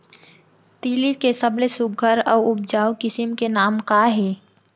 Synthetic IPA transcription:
t̪iːlikesəblesʊɡʱəɾɔːʊb̚d͡ʒaːwkɪsɪmkenaːmkaɦeː

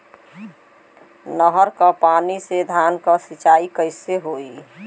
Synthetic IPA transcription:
nəɦəɾkɔpanised̪ʱankəsit͡ʃaikəɪseɦoi

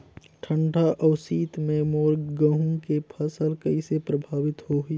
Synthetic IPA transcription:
ʈʰə̃ɳʈaʔɔːsiːt̪mẽmoːɾɡə̃ɦũkepʰəsəlkɐisepɾɐbʱaːʋɪt̪ɦoɦi

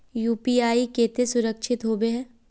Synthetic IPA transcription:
juːpiːaːikeːt̪esʊɾəkʃʰɪt̪ɦoːbeɦɛ̃ː

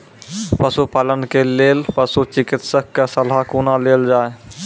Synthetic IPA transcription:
pɐsupalənkʰeleːlpɐsut͡ʃɪkɪt̪sək̚ːasɐlɦakuːnaleːld͡ʒaːe

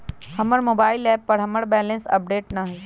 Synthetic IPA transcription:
hɐməɾmoːbaːɪlɛːpːɐɾɦɐməɾbɛːlə̃nsɐ̰p̚ɖeːʈnɐɦɛː

